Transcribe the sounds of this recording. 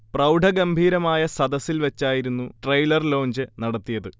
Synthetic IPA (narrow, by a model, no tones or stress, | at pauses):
prɐwɖʱɐɡɐmbʱiːɾɐmaːjɐsɐd̪ɐsilʋɐt͡ɕːaːjiɾunːuʈrɐjlɐrlo̞ːɲd͡ʑɨnɐɽɐt̪ːijɐðɨ